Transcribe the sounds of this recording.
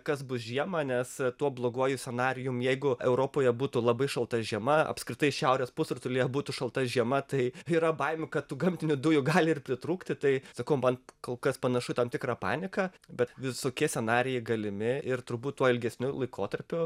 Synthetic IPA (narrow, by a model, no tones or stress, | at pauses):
kɐsbʊsʒʲiɛmɐnʲɛst̪uɔblˠoːɡuɔjʊsʲɛnɑːɾʲɪjʊmjɛɪɡʊɛʊɾoːpoːjɛbuːt̪ʊlˠɐbɐɪʃɐlˠt̪ɐʒʲiɛmɐɐ̰pʲskɾʲɪt̪ɐɪʃʲɛʊɾʲeːspʊsʊrt̪ʊlʲɪjɛbuːt̪ʊʃɐlˠt̪ɐʒʲiɛmɐt̪ɐɪiɾɐbɐɪmʲʊkɐt̪t̪uːɡɐmʲt̪ʲɪnʲʊd̪ʊjʊɡɑːlʲɪɪrpʲɾʲɪt̪ɾuːkt̪ʲɪt̪ɐɪsɐkɐʊmɐnkoːlˠkɐspɐnɐʃʊt̪ɐmt̪ʲɪkɾɑːpɑ̰ːnʲɪkɐbʲɛt̪ʋʲɪsoːkʲiɛsʲɛnɑːɾʲɪjɛɪɡɐlʲɪmʲɪɪrt̪ʊɾbuːt̪tuɔɪlʲɡʲɛsʲnʲʊlˠɐɪkoːt̪ɐɾʲpʲʊ